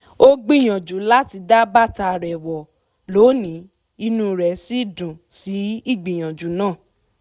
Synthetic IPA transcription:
o˦ɡ͡bĩ˦˨j̃ɔ̃˨d͡ʒu˨˦la˦ti˧da˦ba˦ta˧˨ɾɛ˨wɔ˨ | lo˨˦nĩ˨˦ | i˧nũ˦ɾɛ˨si˦dũ˨si˨˦i˦˨ɡ͡bĩ˨j̃ɔ̃˨d͡ʒu˨˦nãː˦˨

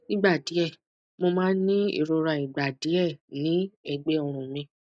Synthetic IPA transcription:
ĩ˦ɡ͡ba˦˨di˨˦ɛ˦˨ | mo˧mãː˦nĩ˦ḭ˦˨ɾo˧ɾa˨i˨ɡ͡ba˨di˨˦ɛ˦˨nĩ˨˦ɛ˧ɡ͡be˦ɔ˨ɾ̃ũ˨mĩ˧

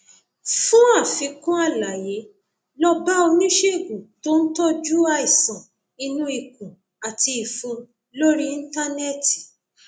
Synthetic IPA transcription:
fũ˦a˦˨fĩ˧kũ˦a˦˨la˨je˨˦ | lɔ˦ba˦o˧nĩ˦ʃe˦˨ɡu˨to˦n̩˦tɔ˦d͡ʒu˦a˦i˨sã˨ | i˧nũ˦i˧˨kũ˨ | a˨ti˧i˨fũ˧ | lo˦ɾi˦˧n̩˦ta˦nɛ˦ti̥˨

